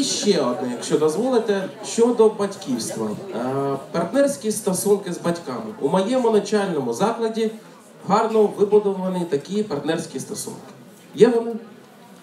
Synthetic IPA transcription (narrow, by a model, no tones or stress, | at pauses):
ʃt͡ʃɛɔd̪nɛjɐkʃt͡ʃɔd̪ɔzʋɔlˠɪt̪ɛʃt͡ʃɔd̪ɔbɐtʲkʲiwst̪ʋɐ̰ | pɐrt̪nɛrsʲkʲist̪ɔsunkɪzbɐtʲkɑmɪʔumɔjɛmʊnɐt͡ʃɑlʲnɔmʊzɑklˠɐdʲi | ɦɑrnɔʋɪblˠɐd̪ɔʋɐnɪt̪ɐkʲipɐrt̪nɛrsʲkʲist̪ɔsṵnkɪ̥ | jɛʋ̪ɐmu